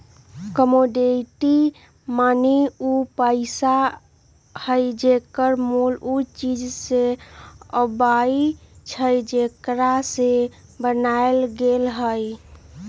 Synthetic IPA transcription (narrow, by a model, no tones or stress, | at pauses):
kəmoɖeʈi | maneupəɪsa | həjd͡ʒekəɾmulut͡ʃid͡ʒse | əbait͡ʃʰəjd͡ʒekɾasebənaelɡelɦəj